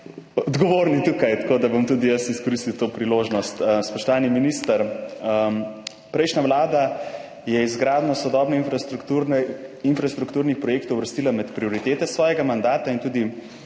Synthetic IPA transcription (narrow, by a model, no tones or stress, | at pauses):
ɔd̪ɡɔʋoːɾnit̪ukajt̪ḁkoːd̪abomt̪ud̪ijəsiskɔɾist̪iwt̪oːpɾiloːʒnɔst̪əspɔʃt̪ɔʋaːniminist̪əɾəm | pɾɛjʃnaʋlaːd̪a | jɛizɡɾaːd̪nɔsɔd̪ɔbnɛinfuɾinfɾast̪ɾukt̪uːɾnixpɾɔjeːkt̪ɔʊwʋəɾst̪iːlamɛt̪pɾioɾit̪eːt̪ɛsʋɔːjɛɡamand̪aːt̪aint̪ud̪i